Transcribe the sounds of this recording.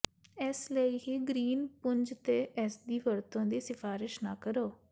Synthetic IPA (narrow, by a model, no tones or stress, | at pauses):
ɛsləiːɦiːɡɾiːnpʊɲd͡ʒt̪eːʔɛsd̪iːʋəɾt̪õːd̪iːsɪfʰaːɾɪʃnaːkəɾoː